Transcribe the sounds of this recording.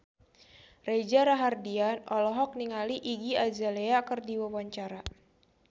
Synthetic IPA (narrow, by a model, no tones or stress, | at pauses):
red͡ʒaɾaɦardianʔɔlɔɦɔk̚niŋaliʔiɡiad͡ʒaleakɨrdiwawaɲt͡ʃaɾa